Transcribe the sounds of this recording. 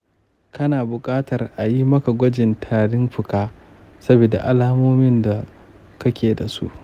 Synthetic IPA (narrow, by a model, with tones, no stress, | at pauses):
kɐ˦naː˨bʊ˨kʼaː˦tɐ˨rʔa˨ji˦mɐ˦ka˨ɡʷɐ˦d͡ʒɪ˨ntʰaː˨ɽɪ˦mɸɪ˨kaː˦ | sɐ˦bi˨da̰˨ʔa˨laː˦moː˦mɪ˦nda˨ | kɐ˦kʲeː˨da˨sṵ˦ʔ